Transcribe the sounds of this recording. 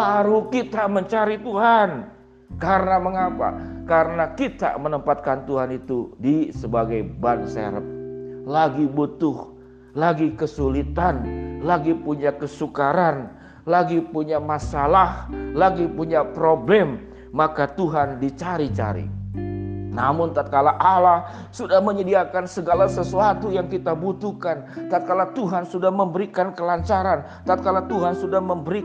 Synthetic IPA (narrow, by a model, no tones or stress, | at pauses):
baɾukit̪aməɲt͡ʃaɾit̪uɦan | kaɾənaməŋapa̰kaɾənakit̪a̰mənəmpat̪̚kant̪uɦanit̪udisəbaɡajbansḛɾəp̚laɡibut̪ʊh | laɡikəsulit̪anlaɡipuɲakəsukaɾan | laɡipuɲamasalahlaɡipuɲapɾoblɛmː | akat̪uɦandit͡ʃaɾit͡ʃa̰ɾḭ | na̰mʊnt̪at̪̚kalaʔalah | sudahməɲədiakansəɡalasəsuat̪ujaŋkit̪abut̪uhkant̪at̪̚kalat̪uɦansudahməmbəɾikankəlaɲt͡ʃaɾan | t̪at̪̚kalat̪uɦansudahməmbəɾi